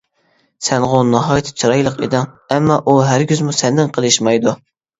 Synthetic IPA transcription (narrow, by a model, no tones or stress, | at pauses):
sɛnʁonɑɦɑːjt̪ʰɪ̥t͡ʃʰuɾɑjlˠəqḛd̪ɪŋɛmːɑʔuɦæɾɡʲyzmusɛnd̪ɪnqʰəlˠɨʃmɑjd̪u